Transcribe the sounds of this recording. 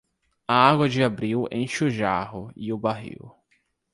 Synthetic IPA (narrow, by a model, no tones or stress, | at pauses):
aaɡwɐd͡ʒɪabɾiwḛ̃j̃ʃuʒahʊɪʊbaɦḭw